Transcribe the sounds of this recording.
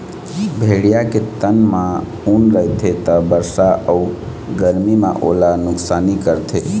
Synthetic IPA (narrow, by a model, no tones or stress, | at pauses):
bʱeɽijaket̪ənmã | unɾəɦɪt̪ʰet̪əbəɾsaʔəu | ɡəɾmimã̰ʔo̰lanʊksaːnikəɾt̪ʰe